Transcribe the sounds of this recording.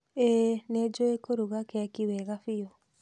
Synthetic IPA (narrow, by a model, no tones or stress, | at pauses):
ened͡ʒoekoɾuɣakakiwɛɣafio